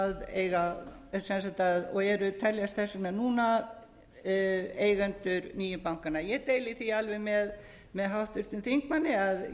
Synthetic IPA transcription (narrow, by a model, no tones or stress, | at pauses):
ðḛːjɣasɛnsajt̪aðɔɣɛɾʏt̪ʰɛljast̪θɛsːanɛnuːna | eːjɣɛnt̪ʏɾniːjʏpawŋkanajɛt̪eːjlɪθialvɛjmɛð | mɛðɦawht̪ʏɾ̥t̪ɪnθiŋkmanːɪað